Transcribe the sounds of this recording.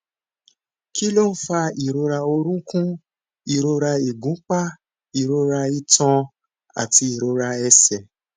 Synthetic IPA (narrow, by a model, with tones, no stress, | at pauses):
ki˦lo˦fa˧i˨ɾo˧ɾa˧o˧ɾ̃ũ˦kũ˦ | i˨ɾo˧ɾa˧i˨ɡũ˨˦k͡pa˦ | i˨ɾo˧ɾa˧i˧tɔ̃˧ | a̰˨ti˧i˨ɾo˧ɾa˧ɛ˧sɛ˨